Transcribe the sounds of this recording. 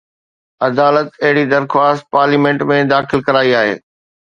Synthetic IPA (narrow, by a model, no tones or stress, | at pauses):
ɐd̪aːlət̪ɐɦɪɽid̪ɐɾxwaːst̪̚paːɾliːmẽːɳʈmẽd̪aːxɪlkɐɾaːiaːɦḛː